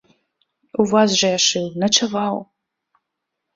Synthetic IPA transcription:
uvazʒɐjaʂɨwnɐt͡ʃʰɐvaw

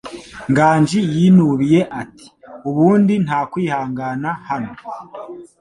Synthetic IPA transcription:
ŋɡaːɲd͡ʒijiːnuβije̞ʔati̥uβuːndin̥haːkwiːhaːŋɡaːnahano̞

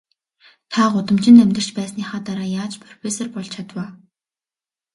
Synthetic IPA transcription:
t̪ʰaɢʊt̪ə̆mt͡ɕɪ̆nt̪æmʲt̪ə̆r̥t͡ɕpæːsniːχaːt̪aɾaːjaːt͡ɕpʰrɔfesɔrpɔɮt͡ɕʰat̪waː

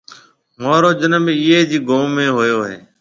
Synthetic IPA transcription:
maːɾoːd͡ʒənəmiːeːd͡ʑiːɡoːmːẽːɦoːjoːɦeː

